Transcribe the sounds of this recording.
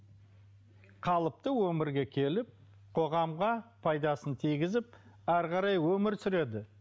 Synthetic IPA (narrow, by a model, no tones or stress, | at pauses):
qʰɑlˠəp̚t̪əwɵmɪɾɡʲe̞kʲʰe̞lɪp̚ | qʰo̞ʁɑmʁɑpʰɑjd̪ɑsənt̪ʰijɡʲɪzɪp̚ | æɾqɑɾɑjwɵmɪɾsʏɾe̞d̪ɪ